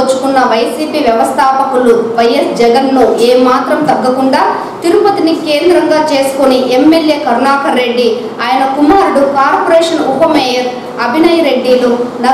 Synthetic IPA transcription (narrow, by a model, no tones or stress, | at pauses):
t͡ʃːu̥kunːɐʋɐjsiːpiːʋjɛʋɐst̪ʰaːpɐkuluʋɐjɐsd͡ʒɛɡɐnloːeːmaːt̪ɾɐmt̪ɐɡːɐkuɳɖaː | t̪iɾupɐt̪inike̞ːnd̪ɾɐŋɡaːt͡ʃe̞ːsu̥koniʔemːelje̞ːkɐɾnaːkɐɾːe̞ɖːi | aːjɐnɐkumaːɾuɽukaːɾpoɾɛːʂɐnupɐmɛːjɐɾ | ɐbʱinɐjɐɾe̞ɖːilunɐ